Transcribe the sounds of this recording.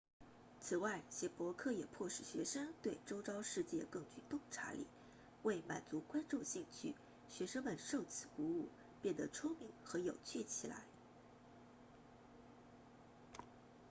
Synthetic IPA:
t͡sʰɹ̩˨˩wa˥˩ɪɕjɛ˧˥pwɔ˧˥kʰɤ˥˩jɛ˨˩pʰwɔ˥˧ʂɻ̩˥˩ɕɥɛ̰˧˥ʂɤ˥ŋt̪we˥˩ɪʈ͡ʂo˥ʊʈ͡ʂɑ˥ʊʂɻ̩˥˧t͡ɕjɛ̰˥˧kɤ˥˧ŋt͡ɕy˥˧t̪ʊ˥˩ŋʈ͡ʂʰa̰˧˥lḭ˨˩˦ | we˥˩ɪma̰˨˩nt͡su˧˥kwa˥nʈ͡ʂu˥˧ɕi˥˧ŋt͡ɕʰy̰˥˩ | ɕɥɛ˧˥ʂɤ˥ŋmə˥˧nʂo˥˧ʊt͡sʰɹ̩˨˩ku˧˥u˥˩ | pjɛ˥˩nd̪ə˩ʈ͡ʂʰʊ˥ŋmi˧˥ŋxɤ˧˥jo˨˩ʊt͡ɕʰy˥˩t͡ɕʰi˨˩la̰˧˥ɪ

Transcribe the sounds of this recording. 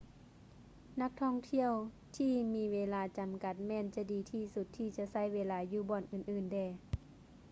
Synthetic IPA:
na˧˥k̚t̪ʰɔː˧˩˨ŋt̪ʰi˧˨əw | t̪ʰiː˧miː˧ʋeː˧laː˧t͡ɕa˨˦mka˧˦t̪̚mɛː˧˥˨nt͡ɕa˧˥diː˨˦t̪ʰiː˧˩su˧˦t̪ʰːiː˧˩t͡ɕa˧˦sa˧˥˨jweː˧laː˧juː˧bɔː˨˩nʔɯː˨˩nʔɯː˨˩ndɛː˧˩

